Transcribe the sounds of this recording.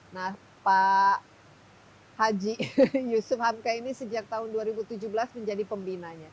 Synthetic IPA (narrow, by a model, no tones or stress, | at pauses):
nah | pa | had͡ʒijusʊfhamkainisəd͡ʒak̚t̪aɦʊnduaɾibut̪ud͡ʒubəlasməɲd͡ʒadipəmbinaɲa